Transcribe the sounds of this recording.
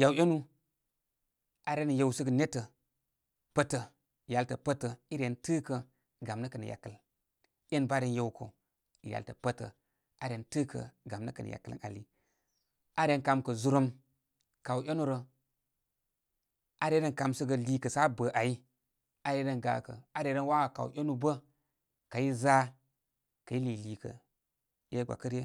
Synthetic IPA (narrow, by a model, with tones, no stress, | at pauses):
ja˨wje˦nu˦ | a˨ɾe˦nə˨je˦˨wsə˦ɡə˨ne˦tə˨ | pə˦tə˨ | ja˨ltə˨pə˦tə˨i˦ɾe˨ntɨ˦kə˨ | ɡa˨mnə˦kə˨nə̰˨ja̰˨kːə˨l | je˦nba˦ɾe˦nje˦˨wkʰo̰˨ | i˨ja̰˨tə˨pə˦tə˨ | ʔa˦ɾe˨ntɨ˦kə̰˨ɡa˨mnə˦kə˨nə̰˨ja̰˨kə˦l̰na̰˨li˦ | a˦ɾe˨˦nka˨mkə˨zu˦ɾo˦m | ka˨wʔʲe˦nu˦ɾə˨ | a˦ɾe˦ɾə˦nka˨msə˦ɡə˨li˨kə˨sa˦bə˨ʔa˨ji˦ | a˦ɾe˨˦ɾə˦nɡa̰˨˦kə̰˨a˦ɾe˨˦ɾə˦nwa˦a˨ka˨wʔʲo˦nu˨bə˦ | ka˨ji˦za˦ | ka˨ji˦li˨li˨kə̰˨ | je˦ɡa̰˨kə˦ɾje˦